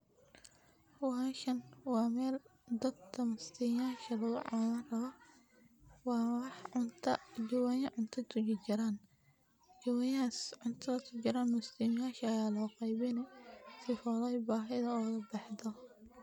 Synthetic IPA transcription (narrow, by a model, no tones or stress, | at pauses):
ʊhaːʃɐnwɑːmɛːld̪ɐd̚kʰɐmʊst̪ʰimjaːʃɐlɐɣʊʕa̰lɐnrɐβɐ | wɑːwɑħʊnt̪ʰɐd͡ʒʊwaːjɐʕʊnt̪ʰɐt̪ʰʊd͡ʒɪt͡ʃɐɾaːn | d͡ʒɐwɐjasʕʊnt̪ʰɐðɐt̪ʰʊt͡ʃɪɾaːnmʊst̪ʰɪmjaːʃɐɐjaːlɔːqɑjβɪnɛsɪfɔðɛjbaːɦɪðɐɔːɣɐbɑħd̪ɔ